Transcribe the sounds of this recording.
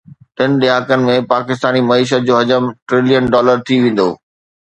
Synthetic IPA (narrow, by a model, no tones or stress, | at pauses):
ʈɪnɪ̆ɗ̪ɪɦaːkənɪ̆mẽpaːkɪst̪aːnimɐiːʃ̬ət̪̚d͡ʑoːɦɐd͡ʑəmʈɾɪlijənɖɔːləɾt̪ʰiʋẽːn̆d̪oː